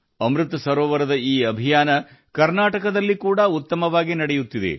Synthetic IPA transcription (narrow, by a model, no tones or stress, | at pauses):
ɐmɾɨt̪ɐsɐɾoːʋɐɾɐd̪ɐiːɐbʱijaːnɐ | kɐɾnaːʈɐkɐd̪ɐlːikuːɽɐut̪ːɐmɐʋaːɡinɐɽejut̪ːid̪e̞̰